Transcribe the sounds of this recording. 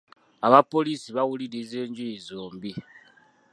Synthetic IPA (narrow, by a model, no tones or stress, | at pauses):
aβapo̞lisiβaɣulilezeːɲd͡ʒujizoːmbi